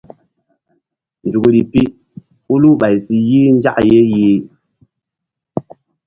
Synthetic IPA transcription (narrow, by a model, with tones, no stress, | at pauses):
n̩˨d͡ʒu˨ɡu˨li˨pi˦ | u˦lu˦ɓa˨i˨si˨ji˦n̩˦d͡ʒa̰˦ʔje˦jiː˦